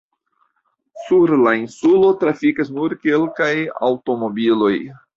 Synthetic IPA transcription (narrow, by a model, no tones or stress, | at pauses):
suɾlainsulo̞tɾafikas̬nuɾke̞lkaja̰wto̞mo̞bilo̞j